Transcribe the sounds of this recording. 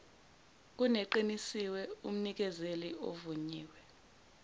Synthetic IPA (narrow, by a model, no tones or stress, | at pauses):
k̬unɛǃinisiwɛum̩nik̬ɛzelio̰vuɲiːwɛ